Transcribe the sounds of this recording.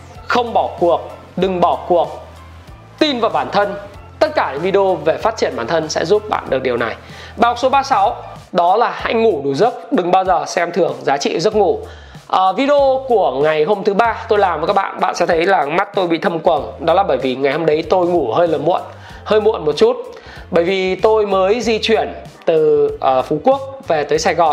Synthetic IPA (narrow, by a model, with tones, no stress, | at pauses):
xə˧wŋ͡mɓɔ˧˩ku˨˩ək̚ | ɗɨ˨˩ŋɓɔ˧˩ku˨˩ək̚ | t̪i˧nvaː˨˩wɓaː˧˩nt̪ʰə˧n | t̪ə˦˥t̚kaː˧˩ɲɨ̰˧˥ŋvi˧ɗo˧ve˨˩faː˦˥t̚t͡ɕi˧˩ənmɓaː˧˩nt̪ʰə˧nsɛ̰˧˥zu˦˥p̚ɓa̰ː˧˨nɗɨ˨˩k̚ɗi˨˩əwna˨˩j | ɓaː˧˩hʊ˨˩k̚so˨˦ɓaː˧sa˨˦w | ɗɔ˨˦laː˨˩ha̰˧˥jŋu˧˩ɗu˨˩zɨ˦˥t̚ɗɨ˨˩ŋɓaː˧wzəː˨˩sɛ˧mt̪ʰɨ˨˩əŋzaː˨˦t͡ɕḭ˧˨zə˦˥t̚ŋu˧˩ | ʔəː˨˩vi˧ɗo˧ku˧˩əŋa˨˩jɦo˧mt̪ʰɨ˨˦ɓaː˧t̪o˧jlaː˨˩mvəː˨˩kaː˦˥ɓa̰ː˧˨ɓa̰ː˧˨nsɛ̰˧˥t̪ʰə˨˦jlaː˨˩ma˦˥t̚t̪o˧jɓḭ˧˨t̪ʰə˧mkwə˨˩nɗɔ˨˦laː˨˩ɓəː˧˩jvi˨˩ŋa˨˩jho˧mɗə˨˦jt̪o˧jŋu˧˩həː˧jləː˨˩mṵ˧˨ən | həː˧jmṵ˧˨ənmo˨˩t̚t͡ɕu˦˥t̚ | ɓəː˧˩jvi˨˩t̪o˧jməː˨˦jzi˧t͡ɕwi˧˩ən | t̪ɨ˨˩ʔːfu˨˦ku˦˥ək̚ve˨˩t̪əː˨˦jsaː˧jɣɔ˨˩n